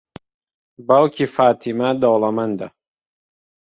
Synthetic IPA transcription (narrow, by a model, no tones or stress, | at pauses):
bawkʰifaːt̪ʰimɐd̪owlɐmɐnd̪ɐ